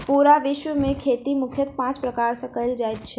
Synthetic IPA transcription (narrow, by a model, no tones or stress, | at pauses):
puɾaʋɪʃʋəmẽkʰeːt̪imʊkʰjət̪̚pãːt͡ʃpɾəkaɾsəkəjld͡ʒajt̪t͡ʃʰe